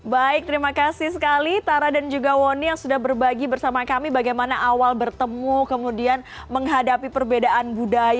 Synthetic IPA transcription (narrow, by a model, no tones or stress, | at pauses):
baɪk̚t̪əɾimakasɪhsəkalit̪aɾadand͡ʒuɡawonijaŋsudahbərbaɡibərsamakamibaɡajmanaʔawalbərt̪əmukəmudian | məŋɦadapipərbedaʔanbudaj